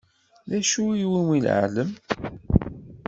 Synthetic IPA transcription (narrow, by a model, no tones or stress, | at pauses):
ðæʃuiwimil̰ʕ̰ləm